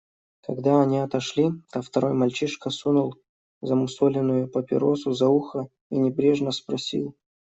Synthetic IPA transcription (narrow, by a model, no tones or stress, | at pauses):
kɐɡd̪aɐnʲiɐt̪ɐʂlʲit̪aft̪ɐɾo̞jmɐlʲt͡ɕiʂkəsunʊlˠ | zəmʊsolʲɪnːʊjʊpəpʲɪ̰ɾosʊzɐuxə | inʲɪbɾʲe̞ʐnəspɾɐsʲḭlˠ